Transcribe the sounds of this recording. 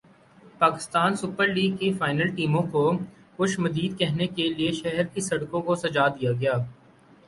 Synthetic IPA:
paːkɪ̥st̪aːnsʊpəɾliːɡ̚kefaːɪnəlʈiːmõko | xʊʃmɐziːd̪kɛɦnekelieʃɛɦɛɾkisɐɽkõkosɐd͡ʒaːd̪ijaɡɐjaː

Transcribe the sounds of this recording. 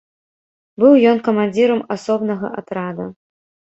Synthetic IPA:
bɨwjɔnkɐmanʲd͡zʲiɾɐmasɔbnɐɣɐ̰ʔa̰t̪ɾad̪ɐ

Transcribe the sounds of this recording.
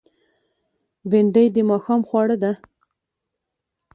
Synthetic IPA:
beɳɖəjd̪əmɑxɑmxwɑɽəd̪a

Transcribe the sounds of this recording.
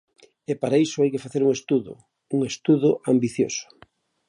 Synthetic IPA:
epaɾaisʊajkefaθeɾuŋest̪uðo̰ | uŋest̪uðʊʔambiθjo̰sʊ̥

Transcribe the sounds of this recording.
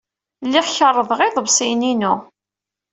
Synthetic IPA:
lːiʁçəɾˤːəðˤʁɪðˤəbsininu

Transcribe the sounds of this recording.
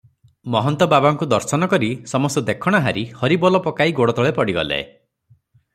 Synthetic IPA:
mɔɦɔnt̪ɔbabaŋkud̪ɔɾsɔnɔkɔɾisɔmɔst̪ɔd̪ekʰɔɽ̃aɦaɾihɔɾibɔlɔpɔkaiɡoɽɔt̪ɔɭepɔɽiɡɔ̰lḛ

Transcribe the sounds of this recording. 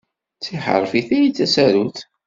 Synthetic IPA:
t͡sːiħə̰ɾˤfiθiit͡sːæsæɾuθ

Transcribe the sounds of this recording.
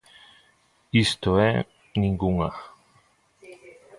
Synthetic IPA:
ist̪oe | niŋɡuŋa

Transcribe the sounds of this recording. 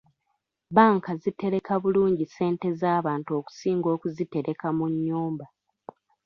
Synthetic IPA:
βaːŋkazite̞ɾe̞kaβuluːɲɟise̞ːnte̞zaːβaːntuo̞ːku̥siːŋɡo̞ːkuzite̞ɾe̞kamuɲːuːmba

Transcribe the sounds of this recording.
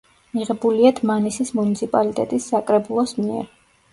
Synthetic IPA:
miʁɛbuliad̪ʰmanisismunit̪sʰipʼalit̪ʼɛt̪ʼisːakʼɾɛbulˠɔsmiɛ̰ɾ

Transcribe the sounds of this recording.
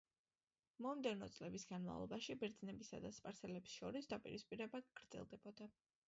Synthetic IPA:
mɔmd̪ɛvnɔt̪sʼlɛbisɡanma̰vlˠɔ̰baʃibɛɾd̪znɛbisa̰d̪aspʼaɾsʰɛlɛbsʃɔɾisd̪apʼḭɾispʼiɾɛbaɡ̥ɾd̪z̥ɛ̰lˠd̪ɛbɔd̪a

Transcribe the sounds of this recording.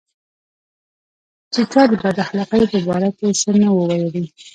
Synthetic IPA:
t͡ʃit͡ʃɑd̪əbad̪axlɑqajopəbɑɾakesənawəwajəɽi

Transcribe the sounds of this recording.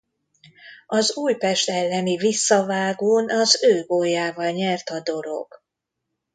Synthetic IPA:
ɒzuːjpɛʃt̪ɛlːɛnivisːɒvaːɡuːnɒzøːɡojːaːvɒlɲɛrt̪ɒd̪o̞ɾo̞̰ɡ̥

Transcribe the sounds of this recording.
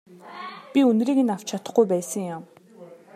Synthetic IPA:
pʲiɵnriːkĕnaw̥t͡ɕt͡ɕʰat̪ə̆χɡujpæːsə̆ŋjam

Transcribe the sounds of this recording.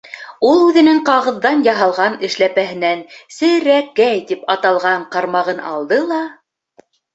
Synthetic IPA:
ulˠʉðɘ̆nɘŋqɑʁɤ̆ðːɑnjɑɦɑlˠʁɑnɘ̆ʃlæpæɦɘ̆nænsɘ̆ɾækːæjt̪ipɑt̪ɑlˠʁɑɴqɑɾmɑʁɤnɑ̰lˠd̪ɤlˠɑ

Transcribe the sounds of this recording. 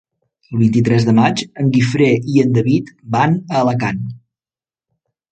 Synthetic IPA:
əlˠβint̪it̪ɾɛzðəmat͡ʃəŋɡifɾeʔiənd̪əβit̪banələkan

